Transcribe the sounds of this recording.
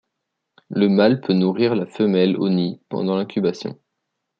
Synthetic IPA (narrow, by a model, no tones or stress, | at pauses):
ləmalpʰønuʁiʁlafəmɛlo̰nipɑ̰̃d̪ɑ̃lɛ̃kʲʰybasjɔ̰̃